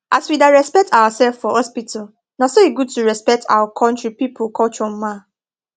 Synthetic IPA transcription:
ʔaswidaɹɛspɛk̚tawasɛlffɔhɔspitʰal | nasoeɡud̚tuɹɛspɛk̚tʰa̰wakʰɔ̃nt͡ʃɹipipʰolkʰɔt͡ʃɔm̩mã

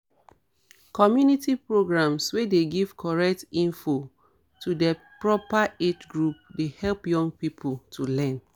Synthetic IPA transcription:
kɔmjunitipɹoɡɹãmswedeɡiv̥kʰɔɹɛk̚tĩnfo | tʰudɛ | pɹɔpaed͡ʒɡɹup̚dehɛlpjɔ̃ŋɡ̚pipʰultʰulɛ̃n

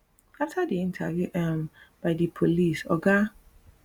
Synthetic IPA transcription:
aftʰadiĩntʰa̰vjuʔɛ̃mb̥aɪdipʰolisɔ̰ɡa

